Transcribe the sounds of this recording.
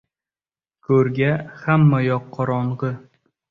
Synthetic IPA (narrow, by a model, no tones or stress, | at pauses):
kʰɵɾɡʲahamːajɒqʰːɒɾɒɴʁɨ